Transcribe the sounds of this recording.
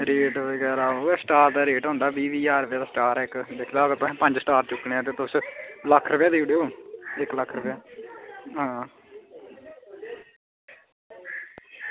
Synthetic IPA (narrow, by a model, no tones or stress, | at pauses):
ɾeːʈʋəɡɛːɾaːoːsəʈaːɾd̪aːɾeːʈɦõːnd̪aːbiːʋiːaːɾəpjaːd̪aːsʈaːɾɪkd̪ekʰd̪aːəɡəɾt̪ʊsɛ̃ːpə̃ɲd͡ʒsəʈaːɾt͡ʃʊkːɽeːãːt̪̬eːt̪ʊsləkʰːɾəpjaːd̪iːuɽeːoːɪkləkʰːɾəpjaː | ɦãː